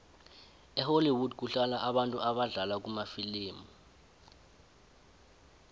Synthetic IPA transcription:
ɛholiwudk̬uɬalaʔaɓantʼuaɓaɮalak̬umafiliːmɔ

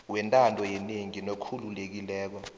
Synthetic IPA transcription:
wɛntʼandʱɔjɛneŋinokʰululek̬ilɛːk̬ɔ

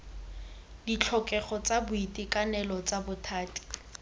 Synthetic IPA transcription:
dit͡ɬʰɔkʼɛχɔt͡sabʊitʼikʼanɛlɔt͡sabʊtʰaːtʼi̥

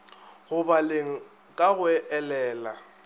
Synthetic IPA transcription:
ɣʊbaleŋ̩ | kʼaɣʊɛʔɛlɛːla

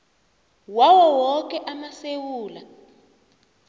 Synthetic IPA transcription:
wawɔwɔk̬ɛʔamasewuːla

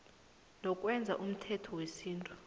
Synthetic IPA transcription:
nɔkʼwɛnd͡zʱa̰ʔum̩tʰɛtʰɔwesiːntʼu̥

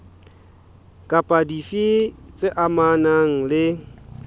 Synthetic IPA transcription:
kʼapʼadifit͡sʼɪʔamanaŋ̩lɪ

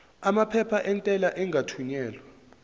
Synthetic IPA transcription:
amapʰɛpʰaʔɛntʼɛlaʔɛŋɡʱatʰwiɲɛːlwa

